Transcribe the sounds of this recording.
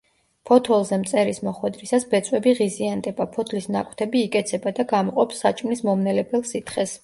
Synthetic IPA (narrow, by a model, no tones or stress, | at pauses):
pʰɔt̪ʰɔlˠzɛmt̪sʼɛɾismɔχwɛd̪ɾisasbɛt̪sʼwɛbiʁiziand̪ɛbapʰɔt̪ʰlisnakʼwt̪ʰɛbiːkʼɛt̪sʰɛbad̪aɡamɔqʼɔpsːat͡ʃʼmnismɔmnɛlɛbɛlˠsit̪ʰχɛs